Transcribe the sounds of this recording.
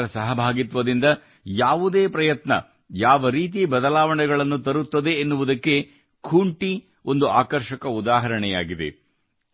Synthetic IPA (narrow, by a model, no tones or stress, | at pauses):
ɾɐsɐɦɐbʱaːɡit̪ʋɐd̪ind̪ɐ | jaːʋud̪eːpɾɐjɐt̪nɐ̰ | jaːʋɐɾiːt̪̬ibɐd̪ɐlaːʋɐɳɛɡɐɭɐnːut̪ɐɾut̪ːɐd̪e̞ːnːuʋud̪ɐkːe̞ | kʰuɳʈi | o̞nd̪uaːkɐɾʃɐkɐud̪aːɦɐɾɐɳɛja̰ːɡid̪e̞̰